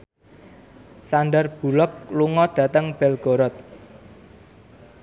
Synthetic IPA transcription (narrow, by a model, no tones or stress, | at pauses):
sanɖərb̥ṳlɔk̚luŋɔd̪̥ä̤t̪əŋb̥ɛlɡ̥o̤ɾɔt̪̚